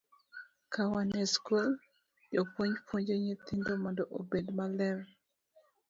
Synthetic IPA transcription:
kʰawanɛskol | jopwoɲpwoɲd͡ʒoɲit̪indomɔndɔʔobedmalɛɾ

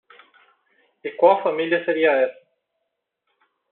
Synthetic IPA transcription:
ekwawfamiljɐseɾiɐɛsɐ

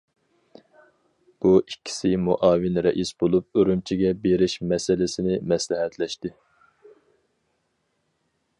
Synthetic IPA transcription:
b̥uʔikʲʰːi̥sɪmuʔɑːvɪnɾɛʔisbolˠup̚øɾymt͡ʃʰiɡʲɛbeɾɪʃmɛsɪlɪsɪnɪmɛslɪɦɛt̪lɛʃt̪ɪ

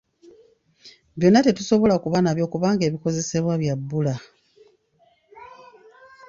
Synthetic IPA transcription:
βjo̞nːate̞tuso̞βo̞lakuβanaβjo̞ːkuβaːŋɡeːβiko̞ze̞se̞βwaβjabːula

